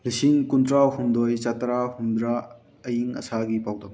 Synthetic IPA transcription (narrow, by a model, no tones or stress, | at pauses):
lisinkunt̪ɾahund̪ojt͡ʃat̪ɾahund̪ɾa | ɐjiŋɐ̰sʰaɡipawd̪ɐm